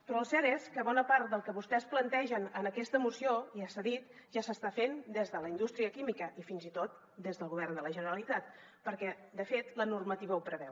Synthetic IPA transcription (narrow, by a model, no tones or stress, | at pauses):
pɾɔlˠsɛɾeskəβɔnəpaɾt̪̚d̪əlˠkəβust̪ɛsplənt̪ɛʒənənəkɛst̪əmusioiəsəðit̪ʒasəst̪afend̪ezðələind̪ust̪ɾiəkimikəʔifinzit̪ot̪̚ | d̪ezðəlˠɣuβ̞ɛrnd̪ələʒənəɾəlit̪at̪ | pəɾkɛd̪əfet̪lənurmət̪iβəupɾəβɛw